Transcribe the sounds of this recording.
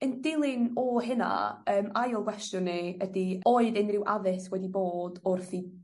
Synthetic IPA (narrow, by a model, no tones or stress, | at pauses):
əndɪlˠɪnɔɦɪna̰əːmajɔlˠɡwɛstjʊnːiədioːɨðɪnrɪwʔaðɪswɛdiboːdʊrθi